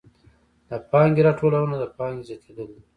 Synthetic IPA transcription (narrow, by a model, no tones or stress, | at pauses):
d̪əpɑŋɡiɾɑʈʰolawənad̪əpɑŋɡezjɑt̪ʰed̪ole